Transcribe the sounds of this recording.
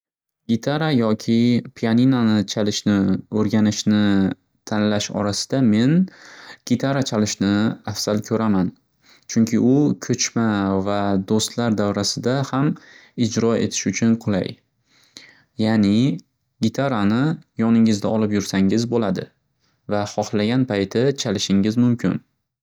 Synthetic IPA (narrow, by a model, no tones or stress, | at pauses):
ɡʲɪt̪ʰaɾajɒkʲʰɪpʰijaninanɪt͡ʃʰalɪʃnɪɵɾɡʲanɪʃnɪ | t̪ʰanlaʃɒ̰ɾasɪ̥d̪ame̞nɡ̥ʲɪt̪ʰaɾat͡ʃʰalɪʃnɪafz̥alkʲʰɵɾaman | t͡ʃʰʊŋkʲʰɪʊkʲʰɵt͡ʃmavad̪ost̪laɾd̪awɾasɪd̪ahamɪd͡ʒɾɒḛt̪ʰɪ̥ʃʊt͡ʃʰʊnqʰʊlˠa̰j | janɪ | ɡʲɪt̪ʰaɾanɪjɒnɪŋɪzd̪aɒlɪpjʊɾsaŋɪzbolad̪ɪ | vaχɒhlaɡʲanpʰajt̪ʰɪt͡ʃʰalɪʃɪŋɪzmʊmkʲʰɪ̰n